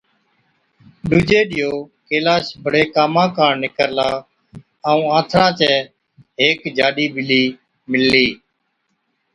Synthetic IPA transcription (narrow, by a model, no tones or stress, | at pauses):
ɗʊd͡ʒeːɗɪjoːkeːlaːʃbʱəɽeːkaːmãːkãːɳnɪkəɾlaː | əũːãːt̪ʰɾãːt͡ʃɛː | ɦeːkd͡ʒaːɗiːbɪliː | mɪlːiː